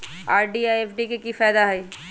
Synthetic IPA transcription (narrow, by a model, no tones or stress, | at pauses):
aːɾɖiaːjefʰɖikekifɛːd̪aɦɐi